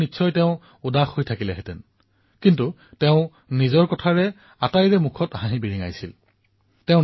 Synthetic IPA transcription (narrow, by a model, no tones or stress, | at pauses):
nitːsʰɔjtɛʊ̃ | udaxojtʰakilɛɦɛtɛn | kintu | teʊ̃ | nizɔɹkɔtʰaɹɛ | atajɹɛmukʰɔtɦãɦibiɹiŋa̰jsḭl | tɛʊ̃